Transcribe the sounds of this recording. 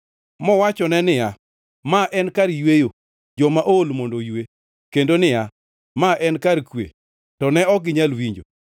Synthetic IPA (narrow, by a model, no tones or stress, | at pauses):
mɔwat͡ʃɔnɛnɪja | maʔɛnkaɾjwejo | d͡ʒɔmaʔolmondojwe | kendonɪja | maʔɛnkaɾkwḛ | tɔnɛɔɡɪɲalwiɲd͡ʒo̰